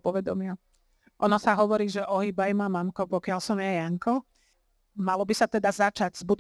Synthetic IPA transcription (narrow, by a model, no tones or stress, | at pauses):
pɔʋɛd̪ɔmɪa | ʔɔnɔsaɦɔʋɔɾiːʒɛʔɔɦibajmamamkɔpɔkɪalsɔmjajaŋkɔ | malɔbisat̪ɛd̪azat͡ʃaɟz̥bud̪